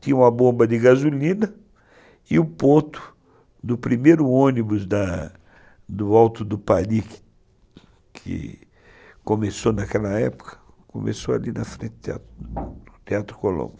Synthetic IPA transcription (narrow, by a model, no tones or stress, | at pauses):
t̪ĩɲɐũmɐbõmbɐd̪ɪɡazulĩnɐ | ɪʊpoɾt̪ʊ̥ | d̪ʊpɾimejɾʊõnibʊzd̪ɐ | d̪ʊawt̪ʊd̪ʊpalikɪ̥ | kʰɪ̰ | komesonɐkɛlɐɛpʊ̥kʰɐ̥ | ko̰mesoa̰linɐfɾẽnt̪t̪ea̰t̪ʊt̪eat̪ɾʊ̥kolõ̰mb